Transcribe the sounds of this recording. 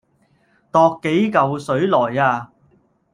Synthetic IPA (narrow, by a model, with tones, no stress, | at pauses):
t̪ɔː˧kːe˨˥jkɐ˨wsɵ˨˥ɥlɔː˨˩jaː˧